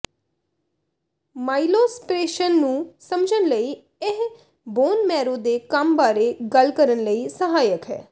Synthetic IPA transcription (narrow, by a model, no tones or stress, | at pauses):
maːiloːspɾeːʃənːũːsəmd͡ʒənləiː | ɪɦ | boːnmɛːɾõːd̪eːkəmbaːɾeːɡəlkəɾənləiːsəɦaːjəkɦɛ̰ː